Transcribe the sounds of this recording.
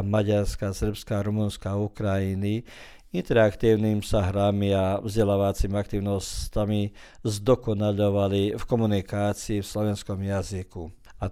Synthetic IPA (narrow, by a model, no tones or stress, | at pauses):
maɟaɾskasr̩pskaːɾumunskaːukɾajini | int̪ɛɾakt̪iːʊnimsaɦɾamiavzɟɛlaːʋat͡simiak̚t̪iːʊnɔstami | zd̪ɔkɔnaʎɔʋalifkɔmunikaːt͡siːfslɔʋɛnskɔmjaziku | a